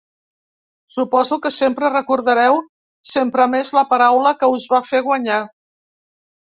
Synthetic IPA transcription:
supɔzukəsempɾərəkuɾðəɾɛw | sempɾəmezləpəɾawləkəuzβafeɣwəɲa

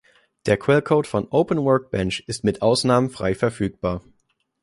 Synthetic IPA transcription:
d̥eːɐkʰw̥ɛlkʰoʊːtfɔnʔoʊpʰənwœɐk̚b̥ɛnʃʔɪstmɪtʔaʊsnaːmənfʁ̥a̰ɪfɛɐfyːk̚b̥aːɐ

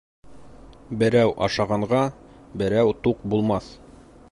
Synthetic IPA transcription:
bɘ̆ɾæwʔɑ̰ʃɑʁɑɴɢɑbɘ̆ɾæwt̪uq̚bulˠmɑθ

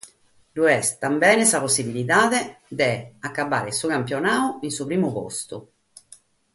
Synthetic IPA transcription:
luɛst̪ambɛːnɛsaposːibiliðaːðed̪ɛakːabːa̰ːɾesuɣamp̬jonaːuinsupɾiːmupo̰st̪u

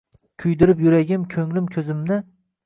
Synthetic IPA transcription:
kʲʰʊjd̪ɪɾɪpjʊɾaɡʲɪmkʲʰɵŋlɪmkʲʰɵzɪmnɪ

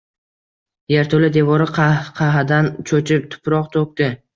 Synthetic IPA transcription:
jeɾt̪ʰolɪd̪e̞vɒɾɪqʰɑqʰɑɦad̪ant͡ʃʰot͡ʃʰɪp̚t̪ʰʊ̥pɾɒqt̪ʰok̚ʲt̪ɪ

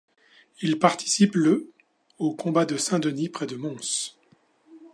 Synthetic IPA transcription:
ilpaʁt̪i̥siplə | okɔ̃bad̪əsɛ̃d̪ənipχɛd̪əmɔ̃s

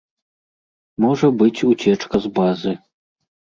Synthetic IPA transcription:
mɔʐɐbɨt͡sʲut͡sʲɛt͡ʂkɐzbazɨ

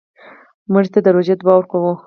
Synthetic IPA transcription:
muʐt̪ad̪əɾoʒed̪bɑwɾkawu

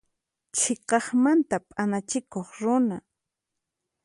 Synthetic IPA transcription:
t͡ʃʰeqɑχmant̪apʼanat͡ʃɪkoχɾʊna

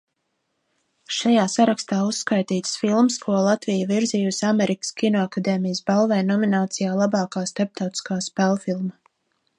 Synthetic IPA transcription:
ʃajaːsaɾakst̪aːusːkajt̪iːt̪sfilˠmskuɔlˠat̪vijaviɾzijusamɛɾʔikə̥skʲinɔakad̪ɛːmijəsbalˠvɛjnɔminaːt̪sijaːlˠabɑːkaːst̪ap̚t̪awt̪i̥skaːspɛlˠfilˠma

